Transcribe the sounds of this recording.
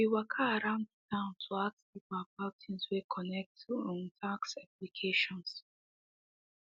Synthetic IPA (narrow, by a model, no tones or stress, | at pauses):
wiwakʰaːɹãʊ̃ndətʰãʊ̃ntʰuaksipabatʰĩnswekʰɔnɛk̚tʰuɔ̃ntʰaksaplikʰeʃɔ̃ns